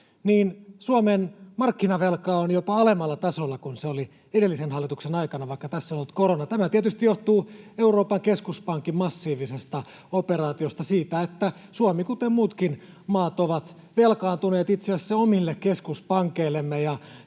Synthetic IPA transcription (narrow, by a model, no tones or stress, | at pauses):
niːnsuomenmɑrkːinɑʋelkɑonjopɑɑlemɑlːɑt̪ɑsolːɑkunseoli | edelːisenhɑlːit̪uksenɑikɑnɑʋɑikːɑt̪æsːonolːut̪koronɑt̪æmæt̪iet̪yst̪ijjoht̪uːe̞uroːpɑŋkeskuspɑŋkimmɑsːiːʋisest̪ɑ | operɑːt̪iost̪ɑsiːt̪æet̪ːæ | suomikut̪emmuːt̪kin | mɑːt̪oʋɑt̪ | ʋelkɑːnt̪uneːt̪it̪seæsːeomilːekkeskuspɑŋkeilːemːejɑ